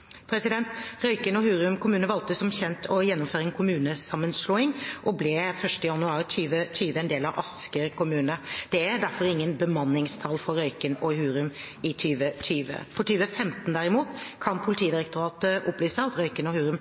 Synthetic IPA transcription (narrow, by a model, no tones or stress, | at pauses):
pʰɾɛsɪd̪ɛnt̪ɾœʏkənɔhʉːɾʉmkʊmʉːnəʋɑlt̪əsɔmçɛnt̪ʰɔjɛnːʊmføːɾəɛnkʰʊmʉːnəsɑmːənsloːɪŋʔɔblɛfœʂʈəjɑnʉɑːɾt̪ʰyːʋət̪ʰyːʋəɛnd̪eːlɑʋʔɑ̰skəɾkʊmʉːnəd̪̥ɛæɾd̪æɾfɔɾɪŋːənbəmɑnːɪŋst̪ʰɑlfɔɾɾœʏkənɔɦʉːɾʉmɪt̪ʰyːʋət̪ʰyːʋə̰fɔʈyːʋəfɛmt̪n̩d̪æɾɪmuːt̪kʰɑnpʰʊlɪt̪ʰiːəd̪ɪɾəkt̪ʊɾɑːt̪əʔɔplyːsəɑt̪ɾœʏkənɔhʉːɾʉm